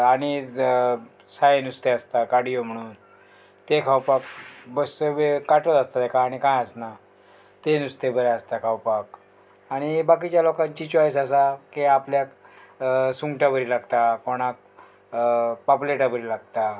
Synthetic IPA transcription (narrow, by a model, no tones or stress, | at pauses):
aɽ̃i | sajenust̪east̪akaɽijom̤əɽ̃uːn | t̪ekʰawpakbəsəbekaʈət̪ast̪ad̪ekʰaːɽ̃ikãjəsna | t̪enust̪ebəɾaəst̪akʰawpak | aɽ̃ibak̬it͡ɕjalokãɲt͡ɕit͡ɕɔjs̬asakeapljak | suŋɡʈabəɾilaɡt̪akoɽ̃ak̚ | papuleʈabəɾilaɡt̪a